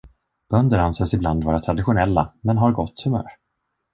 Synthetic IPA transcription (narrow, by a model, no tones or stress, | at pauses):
b̥œnd̪əɾhansɛːsɪbland̪vɑːɾat̪ʰɾad̪ɪɧʊnɛlːamɛnɦaɾɡɔt̪ːhɵmœ̰ːɾ